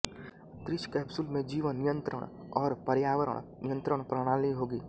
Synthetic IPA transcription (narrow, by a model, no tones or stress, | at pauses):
t̪ɾɪʃkɛːbsʊlmẽd͡ʒiːʋənːɪjə̃nt̪ɾə̰ɽ̃ | ɔːɾpɐɾjaːʋəɾə̰ɽ̃nɪjə̃nt̪ɾəɽ̃pɾəɽ̃aːliɦoːɡiː